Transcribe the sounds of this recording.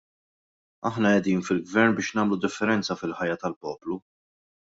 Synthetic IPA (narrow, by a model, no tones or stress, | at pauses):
ɐħnɐɛd̪iːnfɪlɡvɛɾnbɪːʃnɐːmlud̪ɪfːɛɾɛnt͡sɐfɪlħɐjːɐt̪ɐlpɔːplu